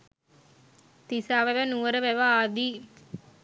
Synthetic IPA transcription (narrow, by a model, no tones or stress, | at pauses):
t̪isaːʋæʋənuʋəɾəʋæʋaaːd̪i